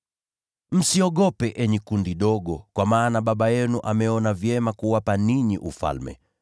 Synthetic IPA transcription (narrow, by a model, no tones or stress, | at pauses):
m̩siɔɠɔpɛʔɛɲɛkundiɗɔɠɔkwamaːnaɓaɓajɛnuʔamɛɔnavjɛmakuwapaniɲiʔufa̰lmɛ̰